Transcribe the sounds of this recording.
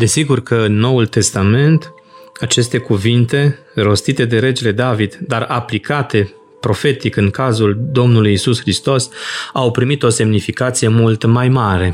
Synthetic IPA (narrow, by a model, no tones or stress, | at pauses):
d̪e̞siɡurkəɨnːo̞ult̪e̞st̪ame̞nt̪ | at͡ʃe̞st̪e̞kuvint̪e̞ | ɾo̞st̪it̪e̞d̪e̞ɾe̞d͡ʒe̞le̞d̪avid̪d̪araplikat̪e̞ | pɾo̞fe̞t̪ikɨŋkazuld̪o̞mnulujisusxɾist̪o̞sawpɾimit̪o̞se̞mnifikat̪sije̞mult̪majmaɾe̞